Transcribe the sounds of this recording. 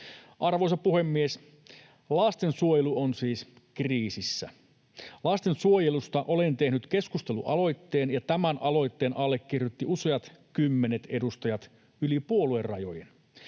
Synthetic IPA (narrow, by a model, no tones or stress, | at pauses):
ʔɑrʋojsɑpuhe̞mːies | lɑst̪e̞nsuojeluonsiːs | kriːsisːæ̰ | lɑst̪e̞nsuojelust̪ɑʔo̞lent̪e̞hnyt̪ke̞skust̪e̞lṵʔɑlo̞jt̪ːe̞ːnjɑt̪æmænɑlo̞jt̪ːe̞ːnʔɑlːekːirjut̪ːiuseɑt̪kymːenet̪e̞dust̪ɑjɑt̪ | ylipuolue̞rːɑ̰jo̞̰jen